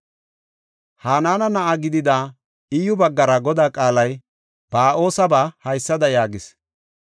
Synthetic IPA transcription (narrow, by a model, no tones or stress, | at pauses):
haːnaːnɐnɐʔaɡɪd̪ɪd̪aː | ɪjʊbɐɡːɐɾɐɡɔd̪aːkʼaːlɐj | b̥aːʔo̞ːsɐbahɐjsːɐd̪ɐjaːɡɪs